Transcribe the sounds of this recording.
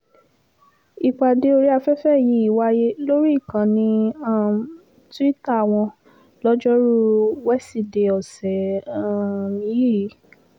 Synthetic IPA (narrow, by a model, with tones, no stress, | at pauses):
i˨k͡pa˨de˨˦o˧ɾi˦a˧fɛ˦fɛ˦˨ji˨˦i˦˨wa˧je˦lo˦ɾi˦i˦˨kã˨nĩ˧a˦˨ | tu˦i˦ta˦˨w̃ɔ̃˧ | lɔ˦d͡ʒɔ˦ɾu˦wɛ˦˨si˦˨de˧ɔ˨sɛ˨a˦˨mĩ˨˦i˦˨i˨˦